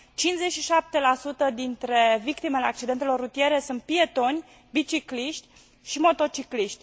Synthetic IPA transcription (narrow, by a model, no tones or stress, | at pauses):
t͡ʃinze̞ʃiʃap̚t̪e̞lasut̪əd̪int̪ɾe̞vikt̪imeleak̚t͡ʃid̪e̞nt̪e̞lo̞rːut̪ije̞ɾesunt̪̚pie̞t̪o̞nʲ | bit͡ʃikliʃt̪ʲ | ʃimo̞t̪o̞t͡ʃikliʃt̪ʲ